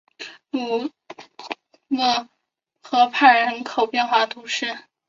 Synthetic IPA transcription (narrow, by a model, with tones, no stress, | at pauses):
nu˨˩ | nɤ˥˩ | xɤ˧˥pʰa˥˩ɪɻə˧˥nkʰo˨˩ʊpjɛ˥˧nxwa˥˩t̪ʰu˧˥ʂɻ̩˥˩